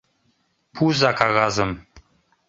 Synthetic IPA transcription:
pʰuzakʰaɣazɨm

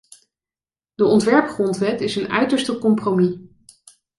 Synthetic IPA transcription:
dəɔntʋɛɹpχrɔntʋɛtɪsənœ̰ɥtəɹstəkɔmpromi

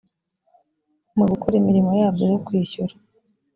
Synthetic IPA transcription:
muɡukoɾimiɾimo̞jaːb̚ɡojokwiːçuɾḁ

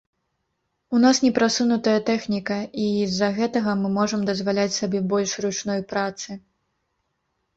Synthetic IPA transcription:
unasnʲɛpɾasunut̪ɐjɐt̪ɛxnʲikɐizɐɣɛt̪ɐɣɐmɨmɔʐɐmd̪ɐzvalʲat͡sʲsabʲɛbɔlʲʂrut͡ʂnɔjpɾat̪sɨ

